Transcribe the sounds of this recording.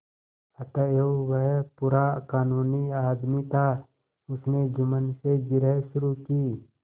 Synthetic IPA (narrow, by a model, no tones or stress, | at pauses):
ət̪əeuʋəɦpuːɾakaːnuːniaːd̪mit̪ʰa | ʊsned͡ʒʊmənseɡɪɾəɦʃʊɾukiː